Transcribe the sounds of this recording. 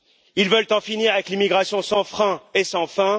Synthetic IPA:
ilvœlt̪ɑ̃finiʁavɛklimiɡʁasjɔ̃sɑ̃fχɛ̃esɑ̃fɛ̃

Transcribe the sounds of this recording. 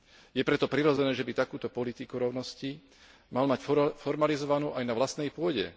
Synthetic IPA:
jɛpɾɛt̪ɔpɾiɾɔd͡zɛnɛːʒɛbit̪akuːt̪ɔpɔlit̪ikuɾɔʊnɔsci | malmacfɔɾmalizɔʋanuːʔajnaʋlast̪nɛjpʊɔɟɛ̰

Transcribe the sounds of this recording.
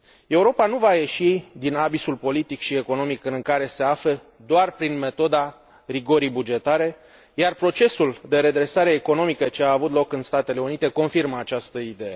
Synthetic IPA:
e̞uɾo̞panuvaje̞ʃid̪inabisulpo̞lit̪ikʃie̞ko̞no̞mikɨŋkaɾe̞se̞afle | d̪oarpɾinme̞t̪o̞d̪a | riɡo̞ɾijbud͡ʒe̞t̪aɾe̞ | jarpɾo̞t͡ʃe̞suld̪e̞ɾe̞d̪ɾe̞saɾe̞ːko̞no̞mikət͡ʃe̞aːvut̪lo̞kɨnst̪at̪e̞le̞unit̪e̞ko̞nfirməat͡ʃast̪əid̪e̞je̞

